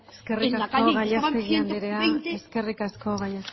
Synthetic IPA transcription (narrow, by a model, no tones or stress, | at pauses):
skerikasoɣasʎaseɣiand̪iɾeaeske̞rikasko̞ɣajas